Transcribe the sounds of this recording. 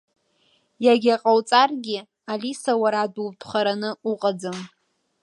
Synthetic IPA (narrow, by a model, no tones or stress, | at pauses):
jaɡʲaqʼawt͡sʼarɡʲɪ | alisawaɾadulpʰχaɾanɨuqʼad͡zɨm